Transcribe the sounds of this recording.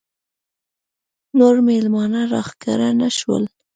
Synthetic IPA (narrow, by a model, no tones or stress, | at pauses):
noɾmelmɑnaɾɑ̰xkɑ̰ɾanaʃwə̰l